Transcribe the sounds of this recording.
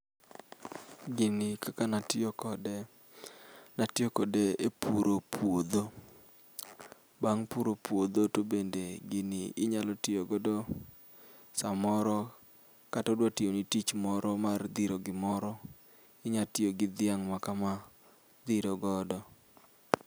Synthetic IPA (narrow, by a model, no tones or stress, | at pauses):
ɡɪnikakanatɪokɔd | natjokɔdeepuɾopʰwod̪o | baŋpuɾopwod̪otobendeɡɪniɪɲalɔtɪoɡɔdɔ | samɔɾɔ | katɔdwatɪonitit͡ʃmɔɾɔmard̪iɾoɡɪmɔɾɔ | ɪɲatɪoɡɪd̪ɪaŋmakama | d̪iɾoɡɔdɔ